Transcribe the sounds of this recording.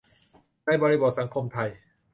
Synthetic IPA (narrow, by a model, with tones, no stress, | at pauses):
naː˥˧˩jbɔː˧ɾi˦˥bo˨˩t̪̚sa˩˦ŋkʰo˧mt̪ʰa˧j